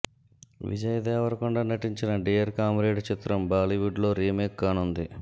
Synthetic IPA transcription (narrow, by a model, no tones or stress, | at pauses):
ʋḭd͡ʒɐjɐd̪ɛːʋɐɾɐkuɳɖaːnɐʈiɲt͡ʃinɐɖijɐɾkaːmɾeːɖt͡ʃit̪ɾɐmbaːliʋuɖlo̞ːɾiːmeːkːaːnund̪i